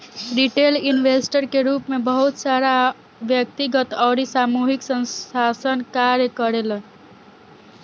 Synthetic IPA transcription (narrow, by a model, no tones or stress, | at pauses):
ɾiʈelinʋesʈəɾkeɾupmebəɦut̪saɾa | ʋjək̚t̪iɡət̪ɔːɾisamuɦiksənasənkaɾjəkəɾelən